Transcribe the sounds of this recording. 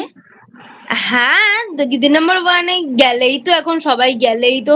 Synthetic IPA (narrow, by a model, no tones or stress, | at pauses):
ɦãɡid̪inəmbəɾʋaneɡɛlejt̪oɛkʰonʃɔbajɡɛlejt̪o